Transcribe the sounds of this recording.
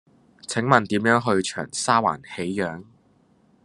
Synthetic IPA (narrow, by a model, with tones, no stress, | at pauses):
t͡sʰɪ˨˥ŋmɐ˨nt̪iː˨˥mjœː˨˥ŋɦɵ˧ɥt͡ʃʰœ̰ː˨˩ŋsaː˥wa̰ː˨˩nhe˨˥jjœː˨˥ŋ